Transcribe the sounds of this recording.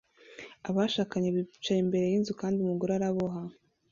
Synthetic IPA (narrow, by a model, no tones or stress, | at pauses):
aβaʃaːkaɲeβit͡ʃajimbe̞ɾe̞jinzukaːndiumuɡoɾaɾaβoɦa